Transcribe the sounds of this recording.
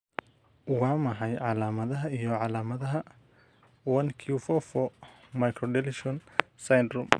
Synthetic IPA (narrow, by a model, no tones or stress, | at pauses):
wɑːmɐɦɐjʕɑlaːmɐðɐɦɐijɔʕɑlaːmɐðɐɦɐ | wɐnkʰiufɔfɔ | mɐjkʰɾɔɖɛlɪʃɔnsɐjnɾʊm